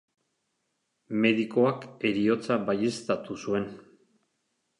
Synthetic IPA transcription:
me̞ðiko̞ake̞ɾio̞t͡saβaje̞st̪at̪usue̞n

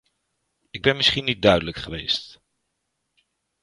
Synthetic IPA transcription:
ɪɡ̚bɛnmɪsχinːid̚dœɥdələkχəʋejst

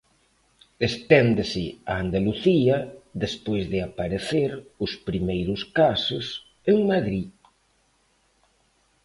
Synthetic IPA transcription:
est̪ɛnd̪ɪsɪa̰ːnd̪aluθiɐðespojzðɪapaɾeθeɾʊspɾimejɾʊskasʊs | eŋmaðɾi

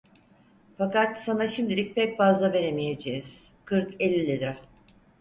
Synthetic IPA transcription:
fakat̪sanaʃimd̪ilʲic̚pʰɛcfazlˠave̞ɾe̞mije̞d͡ʒejiz̥ | kʰɯɾkelʲːilʲid̪ɾa

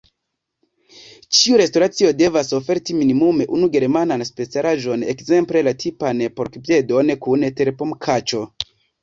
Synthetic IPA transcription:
t͡ʃiuɾe̞sto̞ɾat͡sio̞de̞vaso̞fe̞ɾtiminimume̞ʔunuɡe̞ɾmananspe̞t͡saɾʔaʒo̞ne̞̰kze̞mple̞latʰipanpo̞ɾkpje̞do̞nkunte̞ɾpomkʰat͡ʃo̞

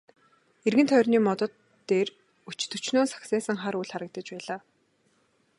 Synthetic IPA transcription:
erɣɘ̆nt̪ʰœjrniːmɔt̪ɞ̆t̪ːeːr | ut͡ɕt̪ɵ̆t͡ɕnoːsḁxsæːsə̆ŋχaɾujɮχaɾə̆k̚t̪ə̆t͡ɕpæːɮaː

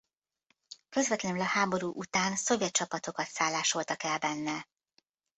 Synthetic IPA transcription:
kø̞zʋɛt̪lɛnylɒhaːbo̞ɾuːʔut̪aːnso̞vjɛt̪̚t͡ʃɒpɒt̪o̞kɒt̪saːlːaːʃo̞lt̪ɒkɛlbɛnːɛ

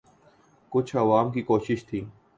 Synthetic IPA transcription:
kʊt͡ʃʰɐʋaːmkikoːʃɪʃt̪ʰiː

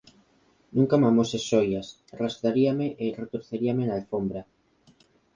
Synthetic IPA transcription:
nũŋkamamosesojas | rast̪ɾaɾiameʔeret̪oɾθeɾiamenalfombɾa

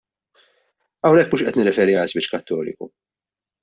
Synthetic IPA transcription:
ɐwnɛkːmuːʃʔɛt̪nɪrːɛfɛːɾiɐlsbɪt͡ʃːkɐt̪ːɔːlɪ̰kṵ

